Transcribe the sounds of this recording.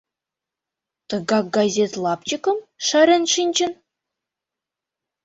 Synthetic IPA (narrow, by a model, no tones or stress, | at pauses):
t̪ɤ̆ɡɑk̚ɡɑzʲet̪lˠɑpt͡ɕikɤ̆mʃɑɾʲĕnʃinʲt͡ɕɘ̆n